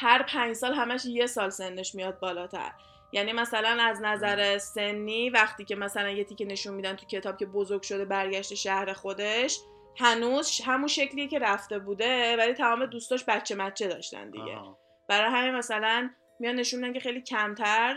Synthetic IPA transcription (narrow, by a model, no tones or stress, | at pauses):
hæɾpʰæɲd͡ʒsɒːlɦæmæʃje̞sɒːlse̞nːeʃmijɒːd̪̚bɒːlɒːt̪ʰæ̰ɾ | jænimæsælænæznæzæɾese̞nːiːvæχt̪iːcʲe̞mæsælænje̞t̪ʰiːcʲene̞ʃunmid̪ænt̪ʰu̥cʲʰe̞t̪ʰɒːb̥̚cʰʲe̞bozoɾɡ̥ʃo̞d̪e̞bæɾɟæʃt̪eʃæhɾe̞xo̞d̪e̞ʃ | hænuːzʃɦæmunʃecʰlijecʰe̞ɾæft̪e̞buːd̪e̞vælit̪ʰæmɒːmed̪uːst̪ɒːʃbæt̪t͡ʃʰːe̞mæt̪t͡ʃʰːe̞d̪ɒ̰ːʃt̪æ̰nd̪ḭɟḛ | b̥æɾɒːjɦæminmæsælæn | mijɒnne̞ʃunmid̪æncʰʲe̞xejlicʰæmt̪ʰæɾ